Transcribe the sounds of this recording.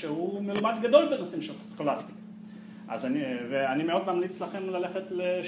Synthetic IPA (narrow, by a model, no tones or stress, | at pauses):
ehumelumad̪ɡad̪o̞lbenosimʃelskolast̪i̥k | ʔa̰zaniveanimeo̞d̪mamlit͡slaχe̞mlale̞χetle